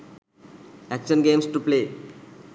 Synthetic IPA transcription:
ækʃənɡeːmsʈupleː

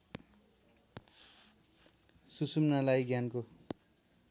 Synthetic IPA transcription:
susumnalajɡjanko

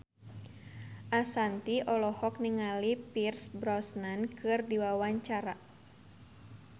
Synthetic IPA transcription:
ʔasant̪iʔɔlɔhɔk̚niŋalipirsbɾɔsnankɨrdiwawaɲt͡ʃaɾa

